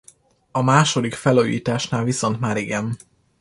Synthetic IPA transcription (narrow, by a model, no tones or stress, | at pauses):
ɒmaːʃo̞d̪ikfɛlujːḭːt̪aːʃnaːlviso̞nt̪maːɾiɡɛm